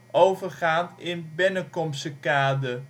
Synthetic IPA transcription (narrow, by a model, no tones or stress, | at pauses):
ʔowvəɹχaːntɪnbɪnəkɔmsəkaːdə